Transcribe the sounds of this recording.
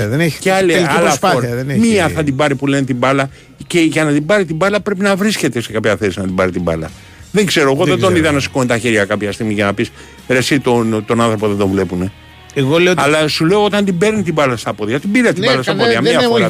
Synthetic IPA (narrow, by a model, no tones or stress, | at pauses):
ðene̥ceɐlelallɐsfɐɐðenemiɐθɐd̪ibɐɾipule̞net̪ibɐlɐ | ceʝɐnɐt̪ibɐɾit̪ibɐlɐpɾe̞p̬inɐvɾisce̞t̪e̞se̞kɐpçɐθe̞sinɐt̪ibɐɾit̪ibɐ̰lɐ̰ | ðeŋɡse̞ɾo̞eɣo̞ðed̪o̞niðɐnɐsi̥kont̪ɐçiɾʝɐkɐpçɐst̪iɣmiʝɐnɐpis | ɾesit̪ont̪o̞nɐnθɾo̞po̞ðend̪o̞ɱvle̞pune̞ | eɣoleoɐlɐsule̞oot̪ɐnt̪ibe̞ɾnit̪ibɐlɐst̪ɐpoðiɐt̪ibiɾɐt̪ibɐlɐsɐpoðiɐmiɐfoɾ